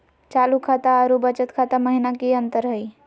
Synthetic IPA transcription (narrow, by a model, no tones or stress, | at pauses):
t͡ʃaːlukʰat̪aəɾubət͡ʃət̪kʰat̪aməɦinakiə̃nt̪əɾɦəi